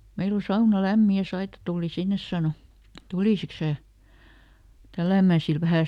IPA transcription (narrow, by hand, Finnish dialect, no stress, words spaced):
meil o sɑunɑ læmːi jɑ sɑitɑ tuːli sinːes sɑˑno tuliˑsiks sæː tælːæˑmæˑ sil ʋæhæ